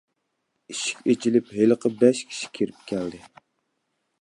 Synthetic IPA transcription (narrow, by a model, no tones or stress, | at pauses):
iʃi̥kʲet͡ʃʰilɪpɦeləqʰəbɛʃkʲʰi̥ʃi̥kʲʰeɾɪpkʲʰæld̪ɪ